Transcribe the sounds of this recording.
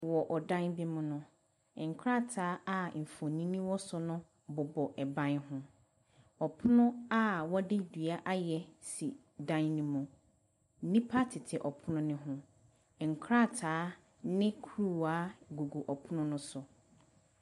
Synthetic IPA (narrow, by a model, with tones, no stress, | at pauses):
wɔ˨ʔɔ˨dã˦nbi˦mʊ̃˦nʊ̃˦˨ | ŋ̩˨kʰɾa˦˨tʰaː˦a˦˨m̩˨fɔ̃˨nĩ˦nĩ˦wɔ˦sʊ˦nʊ̃˦ | bʊ˨bɔ˨ʔɛ˨bã˦nɦʊ̃˦ | ɔ˨pʰʊ˦nʊ̃˦a˦wɔ˦dɪ˦dɥa˦ʔa˦jɛ˦si˨ | dã˦nnĩ˦mũ˨˦ | nĩ˦pʰa˦tʰɪ˨tʰɪ˨ʔɔ˨pʰʊ˦nʊ̃˦nɪ̃˦ɦʊ̃˦˨ | ŋ̩˨kʰɾa˦˨tʰaː˨˦ | nɪ̃˦kʰu˦ɾu˦˨a˦ɡu˨ɡu˨ʔɔ˨pʰʊ˦nʊ̃˦nʊ̃˦sʊ˨